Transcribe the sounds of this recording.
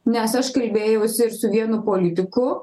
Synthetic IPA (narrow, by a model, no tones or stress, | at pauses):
nʲɛsɐʃkɐlʲbʲeːjɛʊsʲɪɪɾsʊʋʲiɛnʊpoːlʲɪt̪ʲɪkʊ